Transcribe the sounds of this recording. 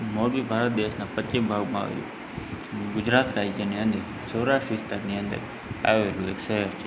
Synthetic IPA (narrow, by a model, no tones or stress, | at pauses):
moːɽbiːbʱaːɾət̪̚d̪eːʃnãːpət͡ʃɪmbʱaːɡmã̰ːʋə̰jõ̰ː | ɡʊd͡ʒɾaːt̪ɾaːid͡ʒeniə̃nd̪ə | soːɾaːʃʈʋɪst̪aɾniə̃nd̪ə̰ɾ | a̰ːjoːɦeloːɦeːksəɦəɾt͡ʃʰe